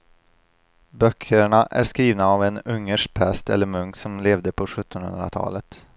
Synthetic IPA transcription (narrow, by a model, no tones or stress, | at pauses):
bœkʰːəɳaʔæ̰ɾskɾiːvnaːvɛnɵŋːəʂpʰɾɛst̪ɛ̰lːəɾmɵŋksɔmleːvd̪əpʰɔɧɵt̪ːɔnhɵ̰nd̪ɾa̰t̪ʰɑ̰ːlət̪